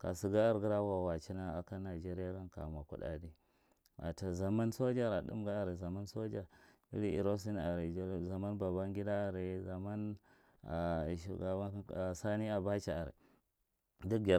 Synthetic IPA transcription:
ka̰˨si˨ɡa˦a˦ɾɡi˦ɾa˦wa˨wa˨t͡ʃi˦na˦a˨ka˦na˨d͡ʒe˦ɾi˦ja˦ka˦nka̰˨ma˨kṵ˦ɗa̰˨di˦ | wa̰˨ta˨za˨ma˦nso˦d͡ʒa˦ɾa˨ɗṵ˦mɡa˦a˨ɾi˨za˨ma˦nso˦d͡ʒa˨ | ḭ˦ɾi˦ḭ˨ɾo˦s̬i˦na˨ɾi˨˦za˨ma˦nba˨ba˦ŋɡʲi˦da˦a˨ɾi˨za˨ma˦n | a˨ʃa˦a˦a˨sa˦ni˦a˨ba˦t͡ʃa˨a˨ɾḭ˨ | du˦ɡʲa˨

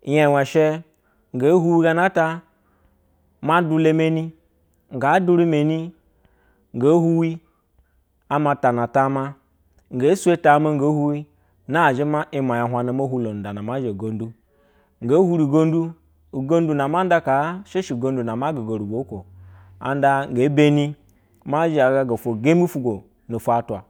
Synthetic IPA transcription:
je˨we˨ʃe˦ | ŋ˨ɡe˨˦ɦu˦wi˦ɡa˦na˦ta˦ | ma˦du˦le˦me˨ni˦ | ŋ˨ɡa˨˦du˦ɾi˦me˨ni˦ | ŋ̩˨ɡa˨˦hu˦wi˦ | a˦ma˨ta˨na˨ta˦ma˦ | ŋ̩˨ɡe˨˦su˦e˦ta˨˦ma˦ŋ˨ɡe˨˦hu˦wi˦ | na˦˨ʒe˦ma˦ʔi˦ma˨ja˨ɦʷa˨na˨mo˦hu˦lo˨n̩˨da˨na˨ma˦ʒe˨ɡo˨n˦du˦ | ŋ˨ɡa˨˦hu˦ɾi˨ɡo˦ndu˦ | u˨ɡo˦n˦du˦na˨ma˦da˦ka˨˦ʃe˦ʃi˨ɡo˦n˦du˨na˨ma˦ɡa˨ɡo˨ɾu˨ɡo˨˦ko˨ | a̰˨n˦da˦ŋ̩˨ɡe˨˦be˦ni˦ | ma˦ʒa˨ɡa˨ɡa˨fo˨ɡe˦m˦i˦fu˦ɡo˨ | no˨fu˨˦a˨twa˨

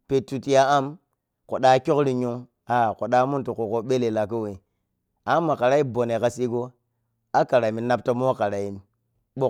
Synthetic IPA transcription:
pe˨tu˨ti˦ja˦a˦m | ko˨ɗa˦kʲo˦kɾi˨ɲu˦ŋ | a˨ko˨ɗa˦mu˦ntu˨ko˨ko˦ɓe˦le˨la˨ko˦we˨ | a˦mːa˨ka˨ɾa˦i˦bo˨ne˨ka˨si˦ɡo˦ | a˦ka˨ɾa˨mi˨na˦p̚to˦mo˦ka˨ɾa˨i˦mi˨ | ɓo˦

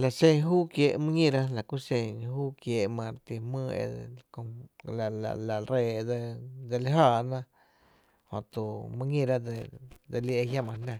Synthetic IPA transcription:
la˨sẽ˧ŋɦuː˦kjeː˧˨ʔmɨ̃˦ŋĩ˦˧ɾa˦la˨ku˦sẽ˧ŋɦuː˦kjeː˨ʔmã˧˨ɾt̪i˧mɨ̃ː˦ḛ˧kõ˧la˨la̰˨la˨ɾeː˧˨d̪e˧d̪e˧li˦ɦaː˧˨nã˦ | hõ̰˨t̪u˨mɨ̃˦ɲĩ˦˧ɾa˦d̪e˧d̪e˧li˧ʔe˧ɦja˦mã˧nã˧˨

